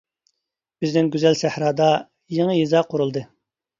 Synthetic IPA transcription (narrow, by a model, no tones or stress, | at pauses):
b̥ɪznɪŋɡʲyzɛlsæhɾɑːd̪ɑ | jeŋəjizɑqʰʊɾulˠd̪ɨ